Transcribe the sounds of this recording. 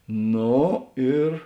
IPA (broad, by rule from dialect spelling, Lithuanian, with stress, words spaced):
ˈnoː ɪr